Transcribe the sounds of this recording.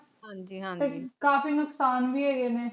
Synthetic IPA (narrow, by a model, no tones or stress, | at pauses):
ɦãd͡ʒĩt̪eːkaːfiːnʊksaːnbiːɛːenẽː